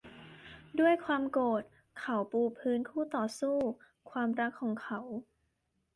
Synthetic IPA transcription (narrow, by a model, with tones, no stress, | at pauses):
du˥˩əjkʰwaː˧mkoː˨˩t̪̚ | kʰa˨˩˦wpuː˧pʰɯː˦˥nkʰuː˥˩t̪ɔː˨˩suː˥˩ | kʰwaː˧mɾa˦˥kʰːɔː˩˦ŋkʰa˧˦w